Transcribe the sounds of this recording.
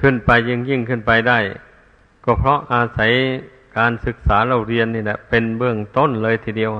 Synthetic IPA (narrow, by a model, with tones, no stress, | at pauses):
kʰɯ˧˩˨npa˧jːɯ˧˩ŋji˧˩ŋkʰɯ˧˥˩npa˧jda˧˩j | kɔː˧˩pʰɾɔ˧˥ʔaː˧sa˨˦j | kaː˧nsɯ˧˦k̚saː˩˦la˧˩˨wɾi˧ənːiː˧˩lɛ˧˩pe˧nbɯ˧˩əŋt̪o˥˨nlɤː˧jt̪ʰiː˧di˧˨ə